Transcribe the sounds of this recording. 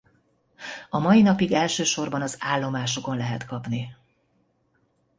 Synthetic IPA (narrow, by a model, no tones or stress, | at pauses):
ɒmɒjinɒpiɡɛlʃøːʃo̞rbɒnɒzaːlːo̞maːʃo̞ko̞nlɛɦɛt̪kɒpni